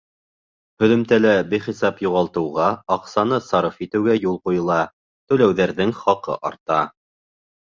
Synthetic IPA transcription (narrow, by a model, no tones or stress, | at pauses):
hɵ̆ðɵ̆mt̪ælæbiχisɑpjuʁɑlˠt̪ɤ̆wʁɑɑqsɑnɤsɑɾɤfit̪ɘ̆wɡæjulˠqujɤ̆lˠɑ | t̪ɵ̆læwðæɾðɘŋχɑqɤ̰ʔɑ̰ɾt̪ɑ